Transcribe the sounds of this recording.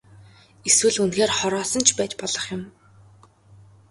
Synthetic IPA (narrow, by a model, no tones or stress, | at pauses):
eswɘ̆ɮunxeːrχɔɾɔːsɞ̆nt͡ɕʰpæːt͡ɕpɔɮɞ̆χjʊm